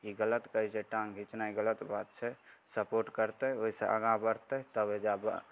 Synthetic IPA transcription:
kiɡələt̪kəid͡ʒeʈãŋɡʱit͡ʃnaiɡələt̪bat̪̚t͡ʃʰɛsəpoɾʈkəɾt̪ɛoɦisḛʔə̰ɡãbəɾt̪ɛɦt̪əbed͡ʒabə̰

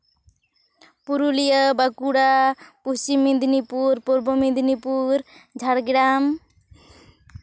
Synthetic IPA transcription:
puɾulijəbakuɽapust͡ʃimːind̪nipuɾpuɾbomĩnd̪nipuɾd͡ʒʱaɽɡɾam

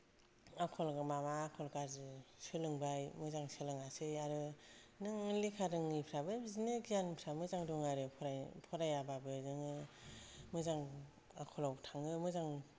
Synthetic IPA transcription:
akʰɔlmamaːkʰɔlkaɾzɯsɯlɯŋbajmɯzaŋsɯlɯŋasɯjaɾɯ | nɯŋlikʰaɾɯŋɯpʰɾabɯbizinɯɡijanpʰɾamɯzaŋduŋaɾɯpʰɔɾapʰɔɾajababɯnɯŋɯ | mɯzaŋ | akʰɔlawtʰaŋɯmɯzaŋ

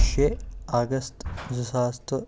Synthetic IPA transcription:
ʃɛaɡɐst̪zʊsaːst̪ɔ

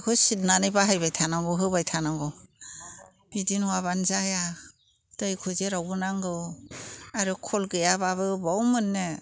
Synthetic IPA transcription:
kʰɔsidnanɯjbaɦajbajtʰanaŋɡɔɦɯbajtʰanaŋɡɔ | bidinwaβanzaja | tajkʰɔzeɾawbɯnaŋɡɯ | aɾɯkʰɔlɡɯjabaβɯbawmɯnːe

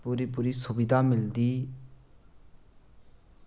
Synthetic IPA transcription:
puɾipuɾisubid̪ʱamild̪i

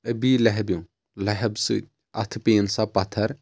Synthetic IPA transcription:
ɐbiːlɐɦbjũ | lɐɦɐbsɨ̰ | ɐt̪ʰpeːnsapɐt̪ʰɐɾ

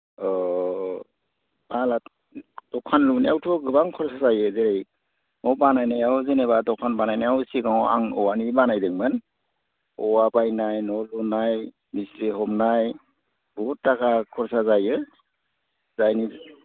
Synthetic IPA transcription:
ɔ | bala | d̥ɔkʰanlunajawtʰɔɡɯbaŋkʰɔɾsazajɯzeɾej | nɔbanajnajawzenebadɔkʰanbanajnajawsiɡaŋa̰ŋɔwanibanajdɯŋmɯn | ɔwabajnajnɔlunaj | misɾiɦɔmnaj | buutːakakʰɔɾsazajɯ | zajni

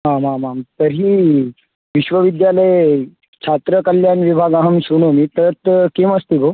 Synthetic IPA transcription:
ɦãmamamt̪əɾɦiː | ʋiɕʋəʋid̪jaləj | t͡ɕʰat̪ɾəkəljanʋibʱaɡaɦəmɕuɽ̃omiːt̪əɾət̪keməst̪ibʱo

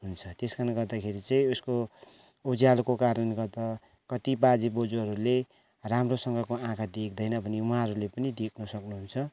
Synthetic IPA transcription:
ɦunt͡sʰʌt̪eskarnɡʌrd̪akʰeɾit͡sʌ̃ĩusko | od͡zijalkokaɾʌnɡʌrd̪ʌ | kʌt̪ibad͡zibod͡zuɦʌɾule | ramrosʌŋɡʌkoãkʰad̪ekʰd̪ʌjnʌbʱʌnewɦãɦʌɾulepʌnid̪ekʰnʌsʌknuɦunt͡sʰʌ

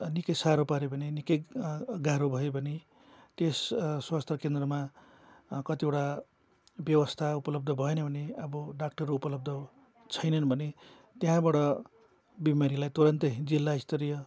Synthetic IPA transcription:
nikʌjsaɾopaɾebʌnenikʌjɡaɾobʱʌebʱʌne | t̪esswast̪rʌkend̪rʌma | kʌt̪iewʈa | bjʌwʌst̪ʰaupʌlʌb̚d̪ʱʌbʱʌenʌbʱʌneʌbʌɖak̚ʈʌrːuupʌlʌb̚d̪ʱʌ | t͡sʰʌjnʌnʌbʱʌne | t̪jãbaɽʌ | bimaɾilajt̪uɾʌnt̪ʌd͡zilːaist̪ʌɾijʌ

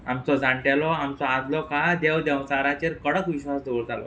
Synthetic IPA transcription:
amt͡sɔd͡zaɳʈɛlɔamt͡sɔad͡zlɔkad̪ewd̪ɛwt͡saɾat͡ɕeɾkəɽəkʋiɕʋasd̪oɭd͡zʱalɔ̰

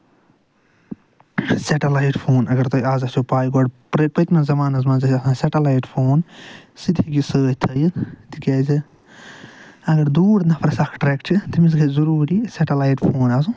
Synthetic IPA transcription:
seʈɐlajʈpʰoːnɐɡɐɾt̪ɐaːzɐsopaːjɡɔɖpɾɐpɐt̪mɐ̃zɐmaːnɐzmãzɐsʲɐsãːseʈɐlaːjʈpʰoːnsid̪ʱikisəːt̪ʰɐjit̪ikeːzɨ | ɐɡɐɾd̪uːɾnɐpʰɐɾsɐkʰʈɾɛːkt͡ʃʰit̪imis̬ɡɐzɐɾuːɾiseʈɐlaːjʈpʰoːnaːzũ

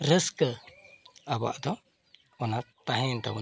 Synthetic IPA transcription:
ɾəskə | aba̰ʔd̪ɔ | ɔnat̪aɦɛnt̪a̰w

